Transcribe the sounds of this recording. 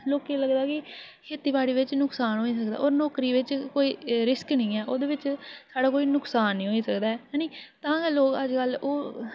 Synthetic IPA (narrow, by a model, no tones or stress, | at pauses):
loːkiːləɡd̪aːkɪkʰeːt̪iːbaːɽiːʋɪt͡ʃnʊksaːnɦoːiːsəkd̪a̰ːʔoːɾnɔːkɾiːʋɪt͡ʃkoːiːɾɪsknĩːɛːʔoːd̪eːʋɪt͡ʃsaːɽaːkoːiːnʊksaːnːĩːɦoːiːsəkd̪aːɛːjaːniːt̪ãːkeloːkəd͡ʒkəloː